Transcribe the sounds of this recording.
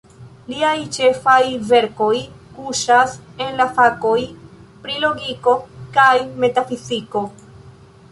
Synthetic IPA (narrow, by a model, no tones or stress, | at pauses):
liajt͡ʃe̞fajve̞ɾko̞jkuʃase̞nlafako̞jpɾilo̞ɡiko̞kajme̞tafiziko̞